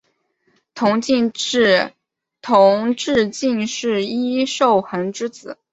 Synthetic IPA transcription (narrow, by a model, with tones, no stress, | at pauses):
t̪ʰʊ˧˥ŋt͡ɕi˥˧ | t̪ʰʊ˧˥ŋʈ͡ʂɻ̩˥˧t͡ɕi˥˧nʂɻ̩˥˩i˥ʂo˥˩ʊxə˧˥nʈ͡ʂɻ̩˥t͡sɹ̩˨˩˦